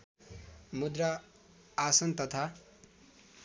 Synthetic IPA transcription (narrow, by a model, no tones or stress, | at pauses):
mud̪ra | asʌnt̪ʌt̪ʰa